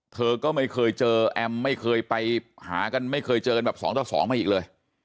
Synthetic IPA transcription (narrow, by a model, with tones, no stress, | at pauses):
t̪ʰɤː˧kɔː˥˩ma˥˩jkʰɤː˧jt͡ɕɤː˧ʔɛ˧mːa˥˩jkʰɤː˧jpa˧jha̰ː˩˦ka˧nma˥˩jkʰɤː˧jt͡ɕɤː˧ka˧nbɛː˨˩p̚sɔː˩˦ŋt̪ɔː˨˩sɔ̰ː˩˦ŋma˧˩ʔiː˨˩k̚lɤː˧j